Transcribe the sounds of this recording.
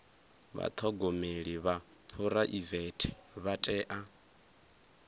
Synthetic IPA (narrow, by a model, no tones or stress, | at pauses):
βa̰t̪ʰɔɡomeɺiβa | pʰuɾaʔivɛtʰɛ̥βatʼɛːʔa